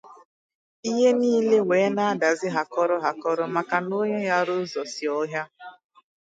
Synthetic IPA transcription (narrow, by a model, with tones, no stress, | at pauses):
i˦ɦe˦niː˦le˦weː˨˦na˦a˦da˨zɪ˦ɦa˨kɔ˦ɾɔ˦ɦa˨kɔ˦ɾɔ˦ma˨ka˨no˦ɲe˦ja˦ɾo˦zɔ˨si˨ɔ˦ɦja˦